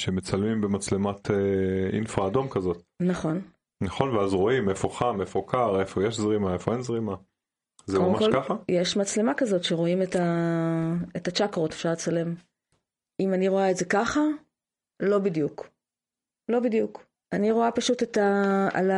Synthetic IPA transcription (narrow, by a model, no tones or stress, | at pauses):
ʃemet͡salmimbemat͡slematʰeḭnfʁaːdo̞mkazo̞tnaχo̞n | naχo̞nveazʁo̞imefo̞χamefo̞kaʁefo̞jeʃzʁimaefo̞enzʁima | zeomakokaχajeʃmat͡sle̞makazo̞tʃe̞ʁo̞imeta | etat͡ʃakʁo̞tefʃaʁlet͡salem | imaniʁo̞aetzekaχa | lo̞bidjuk | lo̞bidjuk | aniʁo̞apaʃutetaa̰la